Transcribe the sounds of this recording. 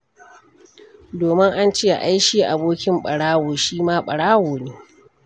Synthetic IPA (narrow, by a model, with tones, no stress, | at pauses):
doː˨mɪ˦ŋʔa˦nt͡ʃeː˦˨a˨ʔa˦jʃiː˦ʔa˨boː˦kʲɪ˦mɓɐ˨ɽaː˦woː˨ʃiː˦maː˦ɓɐ˨ɽaː˦woː˨neː˦